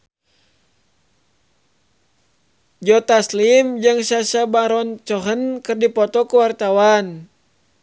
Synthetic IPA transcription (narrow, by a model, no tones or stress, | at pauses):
d͡ʒɔt̪aslimd͡ʒaŋsasabaɾɔnt͡ʃɔɦənkɨrdipɔt̪ɔkuwart̪awan